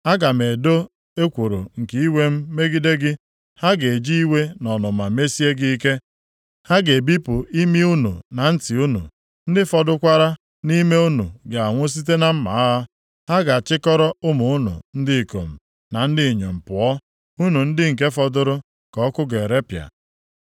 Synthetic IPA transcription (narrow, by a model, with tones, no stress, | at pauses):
a˦ɡa˨me˨do˦ | e˦kʷu˨ɾo̰˨ŋ̩˨ki˦i˦we˦m̩˦me˦ɡi˦de˦ɡɪ˦ | ha˦ɡe˨d͡ʒi˦i˦we˦nɔ˨nʊ˨ma˨me˦si˦e˦ɡi˦i˦ke˦ | ha˦ɡe˨bi˦pʊ˨i˦mi˦u˦nṵ˨na˨n̩˦ti˨u˦nṵ˨ | n̩˦dɪ˦fɔ˨dʊ˦kʷa˦ɾa˦ | ni˦me˦u˦nṵ˨ɡe˨a˨ŋʷʊ˦s̬i˦t̬e˦na˦˨m̩˦ma̰˨a˦ɦa˦ | ha˦ɡa˨a˨t͡ʃɪ˦kɔ˦ɾɔ˦ʊ˦mʊ˨ʊ˦nʊ̰˨n̩˦dɪ˦˨ko̰˨m̩˨ | na˨n̩˦dɪ˦˨ɲo̰˨m̩˨pʊ˨ɔ˦ | u˦nu˨n̩˦dɪ˦ŋ̩˨k̬e˦fɔ˦dʊ˦ɾʊ˦ | kɔ˨ɔ˦kʊ˦ɡe˨ɾe˦pja̰˨